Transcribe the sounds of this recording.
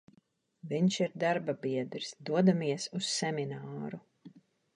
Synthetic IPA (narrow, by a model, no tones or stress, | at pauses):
viɲʃiɾd̪aɾbabiɛd̪ɾsd̪uɔd̪amiɛsusːɛminaːɾu